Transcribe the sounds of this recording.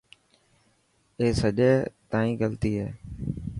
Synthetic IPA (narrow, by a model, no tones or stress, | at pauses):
eːsəʄeːt̪ãːĩːɡəlt̪iːɦḛː